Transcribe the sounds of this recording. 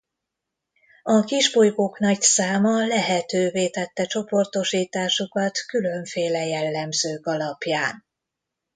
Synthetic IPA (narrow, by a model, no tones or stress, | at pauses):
ɒkiʒbojkoːknɒcsaːmɒlɛɦɛt̪øːveːt̪ɛt̪ːɛt͡ʃo̞po̞rt̪o̞ʃiːt̪aːʃukɒt̪kylø̞ɱfeːlɛjɛlːɛmzøːkɒlɒpjaːn